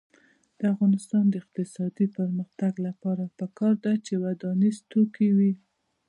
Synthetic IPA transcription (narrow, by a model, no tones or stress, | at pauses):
d̪̥əafɣɑnɪst̪ɑnd̪əɪq̚t̪ɪsɑd̪ipəɾməxt̪aɡlapɑɾapəkɑɾd̪at͡ʃewad̪ɑnizt̪okewi